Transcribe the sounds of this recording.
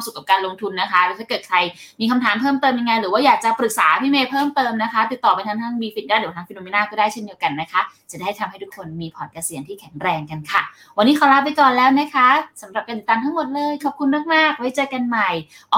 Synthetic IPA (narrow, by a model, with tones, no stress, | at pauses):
msu˨˩kaː˨˩kaː˧nlo˧ŋt̪ʰu˧nːa˦˥kʰa˦˥lɛ˧˥wt̪ʰaː˥˩kɤː˨˩t̪̚kʰɾa˧jmiː˧kʰa˧mt̪ʰaː˨˩˦mpʰɤː˥˩mt̪ɤː˧mja˧ŋːa˧jɾɯː˨˩˦waː˥˩jaː˨˩k̚t͡ɕa˨˩pɾɯ˨˩k̚saː˩˦pʰiː˥˩meː˧pʰɤː˥˩mt̪ɤː˧mna˦˥kʰa˦˥t̪i˨˩t̪ːɔː˨˩pa˧jt̪ʰa˦˥ŋt̪ʰa˦˥ŋbiː˧fi˨˩t̪̚daː˥˩di˩˦t̪ʰaː˦˥ŋfi˧noː˧me˧naː˥˩kɔː˥˩daː˥˩jt͡ɕʰe˥˩ndi˧əwka˧nːa˦˥kʰa˦˥t͡ɕa˨˩da˥˩t̪ʰa˧mha˥˩j̪ʰu˦˥kʰo˧nmiː˧pʰɔː˨˩ka˧si˨˩˦əŋt̪ʰiː˥˩kʰɛ˨˩˦ŋɾɛː˧ŋka˧nkʰa˥˩ | wa˧nːiː˦˥kʰa˨˦wɾa˦˥p̚pa˧jkɔː˨˩nlɛː˦˥wna˦˥kʰa˦˥sa˩˦mɾa˨˩p̚ka˧t̪i˨˩t̪ːaː˧t̪ʰa˦˥ŋmo˨˩t̪̚lɤː˧jkʰaː˨˩p̚kʰu˧nːa˥˩k̚maː˥˩k̚wa˦˥jt͡ɕɤː˧ka˧nma˨˩j | ʔɔ˨˦